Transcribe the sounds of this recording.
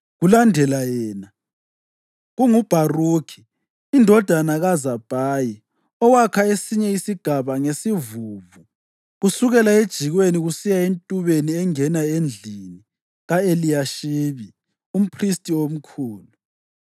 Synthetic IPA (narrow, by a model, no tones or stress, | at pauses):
ɣulandʱɛlajɛːna | ɣuŋub̥ʱaruːkʰi̥ː | ndʱɔd̥ʱanaɣazab̥ʱaːji | ɔwakʰaesiɲɛisiɡ̥ʱaβaŋesivuvu | ɣusuɣɛlaed̥ʒ̥ʱiɣweniɣusijaentʼuβeniɛŋɛnaend͡ɮʱini | ɣaelijaʃiβi | um̩pʰristʼiom̩kʰuːlu